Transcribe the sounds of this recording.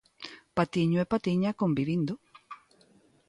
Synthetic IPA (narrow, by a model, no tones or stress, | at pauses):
pat̪iɲoepat̪iɲakombiβind̪o